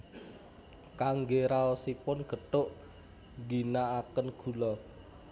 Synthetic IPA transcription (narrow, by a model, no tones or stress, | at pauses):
kaŋɡeɾaɔsipʊnɡ̥ə̤ʈ̪ʊʔ | ɡinaːkənɡ̥ṳlɔ